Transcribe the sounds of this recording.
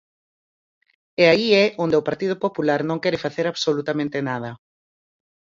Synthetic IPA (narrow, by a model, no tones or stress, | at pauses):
ɛaiɛʔond̪eʊpaɾt̪ið̞ʊpopulaɾnõŋkɛɾɪfaθeɾaβsolut̪amẽnt̪ɪnað̞ɐ